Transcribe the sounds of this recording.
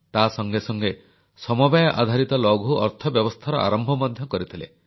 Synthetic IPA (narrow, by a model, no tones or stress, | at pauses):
t̪asɔŋɡesɔŋɡe | sɔmɔbajɔʔa̰d̪ʱaɾit̪ɔlɔɡʱuɔ̰ɾt̪ʰɔbjɔbɔst̪ʰaɾɔ̰ʔa̰ɾɔmbʱɔmɔd̪ʱjɔkɔɾit̪ʰilḛ